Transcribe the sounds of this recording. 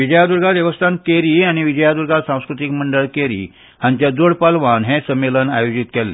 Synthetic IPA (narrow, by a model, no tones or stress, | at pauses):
ʋid͡ʑəjad̪uɾɡʱaʋjəʋəst̪ʰankeɾiañiʋid͡ʑəjad̪uɾɡʱasãw̃skɾut̪ikməɳɖəɭkeɾḭː | hãɲt͡ɕjad͡z̪oɽpalʋanɦẽsəmːelənajod͡ʑit̪kɛlːe